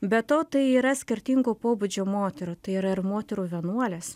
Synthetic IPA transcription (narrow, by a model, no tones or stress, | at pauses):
bʲɛt̪oːt̪ɐɪiːɾɐsʲkʲɪɾʲt̪ʲiŋɡoːpoːbud͡ʒʲoːmoːt̪ʲɛɾoːt̪ɐɪiːɾɐɪɾmoːt̪ʲɛɾuːʋʲiɛnuɔlʲeːs